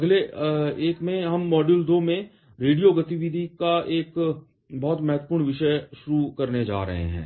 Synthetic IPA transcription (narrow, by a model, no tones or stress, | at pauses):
ɐɡleeːkmẽɦɐmːɔːɖjuːld̪omẽ | ɾeːɖijoɡɐt̪iʋid̪ʱikaʔeːk | bɔɦːt̪mɛɦət̪wə̥puːɾɳʋɪʃəʃʊɾukɐɾned͡ʒa̰ːɾɐ̰ɦḛɦɛ̰̃ː